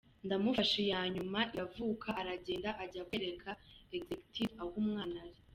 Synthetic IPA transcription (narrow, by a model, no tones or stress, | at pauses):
ndamufaʃejaːɲumaʔiavuːkʰaʔːɾaɟeːndaʔaɟakweɾe̞kʰaekzeku̥tʰivawuːmŋaːnaɾi